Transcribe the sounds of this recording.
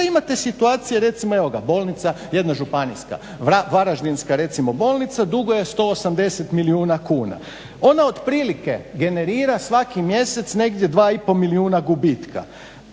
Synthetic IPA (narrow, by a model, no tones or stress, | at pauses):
imat̪e̞sit̪uaːt̪sijeɾe̞t̪simoeʋoɡa̰bo̞lˠnit̪saje̞d̪naʒupanḭska̰ | aʋaɾaʒd̪inskaɾe̞t̪simo̞bo̞ːlˠnit̪sad̪uɡoje̞st̪o̞ːosamd̪e̞set̪miliuːnakuːna̰ | o̞nao̞d̪pɾiːlike̞ɡe̞ne̞ɾiːɾasʋakimje̞se̞t̪sne̞ɡd̪je̞d̪ʋaːipo̞miliuːnaɡubit̪kʰa̰